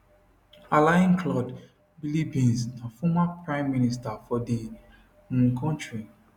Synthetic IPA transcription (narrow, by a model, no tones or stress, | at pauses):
alaj̃nkʰlɔd | bilibĩnsnafɔmapɹãɪ̃mːinistafɔdi | kʰɔ̃ntɹi